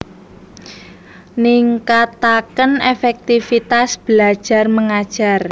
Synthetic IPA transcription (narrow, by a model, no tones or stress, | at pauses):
nɪŋkat̪akənefɛk̚t̪ifit̪asb̥əlḁʒ̥a̤rməŋad̥ʒ̥ar